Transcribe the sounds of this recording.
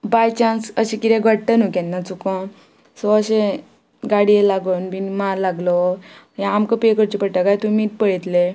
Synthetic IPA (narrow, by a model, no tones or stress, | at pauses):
bajt͡ɕãsəɕekid̪ɛ̃ɡʱəɽʈ̪ənukɛ̃nːat͡sukɔ̃ | sɔəɕẽ | ɡaɽielaɡonbinimaɾlaɡlɔ | jãamkəpekəɾt͡ɕipəɽʈakajt̪umiːt̪pəɭit̪le